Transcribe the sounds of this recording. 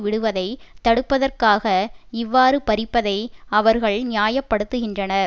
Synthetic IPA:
ʋɪɽɯʋɐðɐɪt̪ɐɽɯpːɐðɐrkaːɣɐɪʋːaːɾɯpɐɾɪpːɐðɐɪɐʋɐɾɣɐɭnɪjaːjɐpːɐɽɯt̪ːɯɣɪndrɐnɐɾ

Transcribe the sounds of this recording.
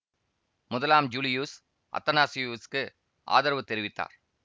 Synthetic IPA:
mʊðɐlaːmd͡ʒuːlɪjuːs | ʔɐ̰t̪ːɐnaːsɪjuːskɯ | ʔa̰ːðɐɾʋɐt̪ːɛɾɪʋɪt̪ːa̰ːɾ

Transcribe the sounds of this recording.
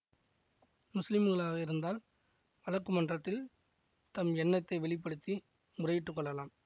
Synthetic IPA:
mʊslɪmɯɣɐɭaːɣɐɪɾɯnd̪aːl | ʋɐlɐkːɯmɐndrɐt̪ːɪl | t̪ɐmɛnːɐt̪ːɐɪʋɛɭɪp̬ːɐɽɯt̪ːi | mʊrɐjɪʈːɯkːɔɭːɐlaːm

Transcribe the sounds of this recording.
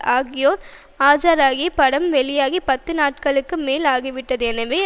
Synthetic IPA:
aːɣɪjoːɾ | aːd͡ʒaːɾaːɣipɐɽɐmʋɛɭɪjaːɣipɐt̪ːɯnaːʈ̚kɐɭɯkːɯmeːlaːɣiʋɪʈːɐðɛnɐʋeː

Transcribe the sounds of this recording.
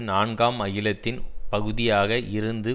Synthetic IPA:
naːɳɡaːmɐjɪlɐt̪ːɪnpɐɣɯðɪjaːɣɐʔɪɾɯnd̪ɯ

